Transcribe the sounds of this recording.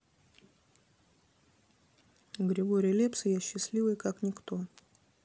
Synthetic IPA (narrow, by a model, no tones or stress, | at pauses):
ɡɾʲɪɡo̞ɾʲɪjlʲepsɨjaɕːɪsʲlʲivəjkaknʲɪkt̪o̞